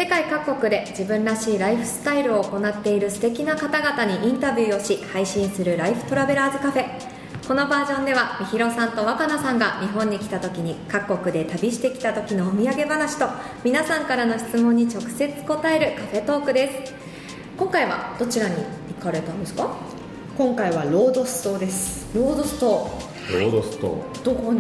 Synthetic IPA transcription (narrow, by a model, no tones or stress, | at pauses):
se̞kaikakːo̞kɯ̟d̪e̞d͡ʑibɯ̟̃nɾaɕiːɾaiɸɯ̟̥sɨ̥t̪aiɾɯ̟o̞ːko̞nat̪ːe̞iɾɯ̟sɨ̥t̪e̞kʲinakat̪aɡat̪aɲ̟iʔĩnt̪abʲjɯːo̞ɕihaiɕĩɰ̃sɨɾɯ̟ɾaiɸɯ̟̥t̪o̞ɾabe̞ɾaːzɨkaɸe̞ | ko̞no̞baːʑõ̞nd̪e̞βamʲiçiɾo̞sãnt̪o̞βakanasãŋɡaɲ̟iɦõ̞ɲ̟ːikʲi̥t̪at̪o̞kʲiɲ̟ikakːo̞kɯ̟d̪e̞t̪abʲiɕi̥t̪e̞kʲi̥t̪at̪o̞kʲinoːmʲiaɡe̞banaɕi̥t̪o̞ | mʲinasãŋkaɾano̞çi̥t͡sɨmõɲ̟ːit͡ɕo̞kɯ̟̥se̞t͡sɨ̥ko̞t̪ae̞ɾɯ̟kaɸe̞t̪o̞ːkɯ̟d̪e̞sɨ̥ | kõ̞ŋkaiβa̰d̪̥o̞t͡ɕiɾaɲ̟iikaɾe̞t̪and̪esɨ̥ka | kõ̞ŋkaiβaɾo̞ːd̪o̞sɨ̥t̪o̞ːd̪e̞sɨ̥ | ɾo̞ːd̪o̞sɨ̥t̪o̞ː | ɾoːd̪ost̪o̰ː | d̪̥oko